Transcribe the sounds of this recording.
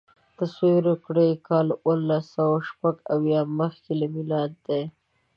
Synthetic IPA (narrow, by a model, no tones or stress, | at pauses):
t̪aswiɾokɽekɑlwəlːasawaʃpaɡawjɑməxkelamɪlɑd̪d̪e